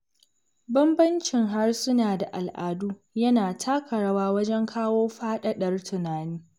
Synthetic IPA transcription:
bɐ˦mbɐ˦nt͡ʃɪ˨ŋɦa˦rsʊ˦naː˨da˨ʔa˨lʔaː˨duː˦ | jɐ˦naː˨tʰaː˦kɐ˨ɽɐ˦waː˦wɐ˦d͡ʒɛ˦ŋkʰaː˦woː˦ɸaː˦ɗɐ˦ɗɐ˦rtʰʊ˨naː˨niː˦

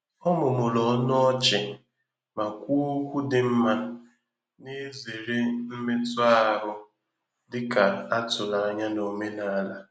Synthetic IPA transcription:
ɔ˦mʊ˨mʊ˨lɔ˨˦nʊ˦ɔ˦t͡ʃɪ˨ | ma˨kʷu˦o˦kʷu˦dɪ˨m̩˦ma˦ | ne˦ze˨ɾe˦m̩˦me˦tʊ˦a˦˨ɦʊ˦ | dɪ˦ka˨a˦tʊ˨na˨a˦ɲa˦no˨me˦na˨˦la˦

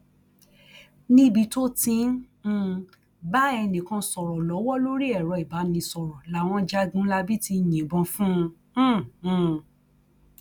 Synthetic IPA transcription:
nĩ˦bi˧to˦tĩ˧˦˧ | ba˦ɛ˧nĩ˨kã˧sɔ˨ɾɔ˨lɔ˨˦wɔ˦lo˦ɾi˦ɛ˦˨ɾɔ˧i˨ba˨˦nĩ˧sɔ˨ɾɔ˨la˨˦˨w̃ɔ̃˧d͡ʒa˧˦ɡũ˦la˧bi˦ti˧˨jĩ˨bɔ̃˧fũ˦˧˦

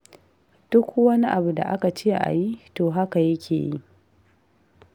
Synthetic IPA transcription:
d̥ʊ˦kʷwɐ˦ni˦ʔa˨bu˨da̰˨ʔa˦ka˨t͡ʃeː˦ʔa̰˨ji˦toː˨ɦa˦ka˨jɐ˦kʲʰḛː˨ji˦ʔ

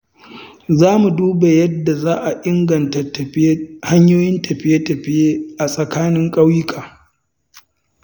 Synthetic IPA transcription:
zaː˦mu˨duː˦ba˨jɐ˦dːa˨zaː˦ʔa˨ʔɪ˦ŋɡɐ˨nta˨˦ha˦ɲjoː˦jɪ˦ntʰɐ˨ɸɪ˦je˦tɐ˨ɸɪ˦je˦ʔa˨sʼɐ˨kaː˦nɪ˦ŋkʼɐ˦wjɪ˦kʰaː˨

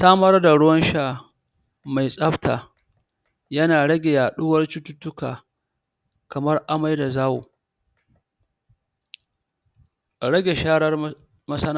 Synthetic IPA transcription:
saː˦mɐ˦rda˨ɽʊ˦wɐ˦nʃaː˦ | ma˨jsʼɐ˦ɸtʰa̰ː˨ | jɐ˦naː˨ɽɐ˦ɡʲe˨jaː˨ɗʊ˦wɐ˦rt͡ʃʊ˦tʊ˦tːʊ˦kaː˨ | kɐ˨mɐ˦rʔa˦ma˦jda˨zaː˦wṵ˨ | ɽɐ˦ɡʲe˨ʃaː˦ɽɐ˦r | mɐ˦sɐ˦na˦

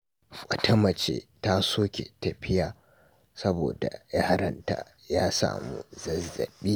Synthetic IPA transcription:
kʷʼɐ˨tʰɐ˦mɐ˨t͡ʃeː˨ta˦soː˦kʲe˨tɐ˨ɸɪ˦jaː˨ | sɐ˦boː˨da˨jaː˦ɽɐ˦nta̰˨ | jaː˦sa̰ː˨mṵ˦zɐ˨zːɐ̰˨ɓiː˦

